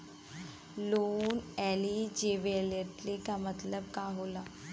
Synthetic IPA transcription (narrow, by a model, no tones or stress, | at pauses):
loːnɛːlid͡ʒeːʋeleʈlikamət̪ləb̚kaːɦoːla